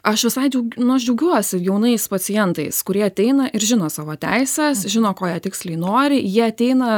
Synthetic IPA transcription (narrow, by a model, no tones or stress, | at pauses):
ɐʃʋʲɪsɐɪd͡ʒʲɛʊɡʲnʊɐʃ̬d͡ʒʲɛʊɡʲuɔsʲɪjɛʊnɐɪspɐtsʲɪjɛnt̪ɐɪskʊɾʲiɛɐt̪ʲɛɪnɐʔɪɾʒʲɪnoːsɑːʋoːt̪ʲæɪsʲɛsʒʲɪnoːkoːjiːt̪ʲɪksʲlʲɛɪnoːɾʲɪjiɛɐt̪ʲɛɪnɐ